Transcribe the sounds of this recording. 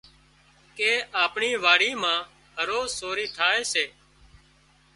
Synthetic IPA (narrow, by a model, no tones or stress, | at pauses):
keːʔaːpɳiːʋaːɽiːmãː | ɦəɾoːzsoːɾiːʈʰaːeːseː